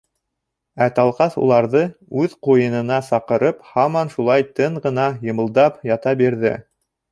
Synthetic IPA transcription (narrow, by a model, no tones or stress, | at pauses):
æt̪ɑlˠqɑθṵlˠɑɾðɤʉðqujɤ̆nɤ̆nɑsɑqɤ̆ɾɤphɑmɑnʃulˠɑjt̪ɤɴʁɤ̆nɑjɤ̆mɤ̆lˠd̪ɑpjɑt̪ɑbiɾðɘ̰